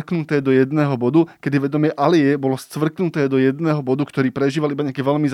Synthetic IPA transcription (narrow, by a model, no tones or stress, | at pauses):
knut̪ɛːd̪ɔjɛd̪nɛːɦɔbɔd̪ukɛd̪iʋɛd̪ɔmɪɛʔalɪɛbɔlɔst͡sʋr̩knut̪ɛːd̪ɔjɛd̪nɛːɦɔbɔd̪ukt̪ɔɾiːpɾɛʒiːʋalʔibaɲɪakɛːʋɛʎmiz